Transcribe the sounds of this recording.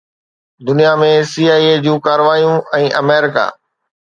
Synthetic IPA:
d̪ʊnijamẽsiːaːied͡ʑũːkaːɾəʋaːijũʔɛ̃ːʔɐmeːɾɪka̰ː

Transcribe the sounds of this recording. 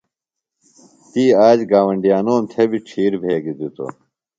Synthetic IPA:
t̪iːaːd͡ʑɡaːwɐɳɖijaːnoːmt̪ʰebiʈ͡ʂʰiːɾbʱeːɡid̪it̪o̰

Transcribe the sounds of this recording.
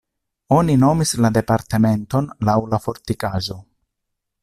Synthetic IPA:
o̞nino̞mislade̞paɾteme̞nto̞nlawlafo̞ɾtikaʒo̞

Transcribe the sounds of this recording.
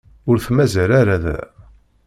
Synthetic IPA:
ʊɾθmæzæɾaɾæðæ̰

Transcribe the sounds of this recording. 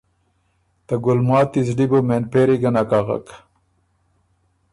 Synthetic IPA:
t̪ɐɡulmaːt̪izɖibomenpeːɾiɡɐnakaʁɐ̰k

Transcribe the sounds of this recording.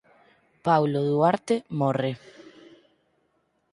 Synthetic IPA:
pawloðuaɾt̪emɔre

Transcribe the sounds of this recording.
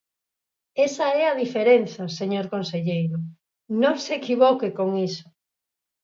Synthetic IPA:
esɐɛɐðifeɾenθɐseɲoɾkonseʎejɾʊ | nõŋseːkiβɔkekoŋiso̥

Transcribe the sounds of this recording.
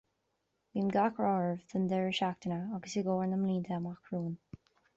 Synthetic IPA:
wiːmɡakɹɔːɹəvðənd̪ɛɹəʃak̚t̪ənəaɡəsɪɡoːɹnəmliːnt̪ʰɛmaxkʰɹuːn

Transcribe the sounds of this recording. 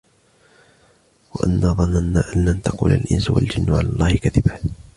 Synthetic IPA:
waʔanːaːðˤɑnːanːaːʔanːant̪ɑqṵːlalʔɪnswa̰ld͡ʒɪnːʊʕa̰laːlˤːɑːhɪkaðɪba

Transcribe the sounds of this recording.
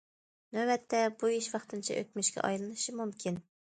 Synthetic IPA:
nɛbɛt̪ʰːɛbuiʃwɑχt̪ʰɨnt͡ʃʰɛʔø̰kʲmyʃkʲɛ̰ʔɑ̰jlˠɨnɨʃimumkʲʰin

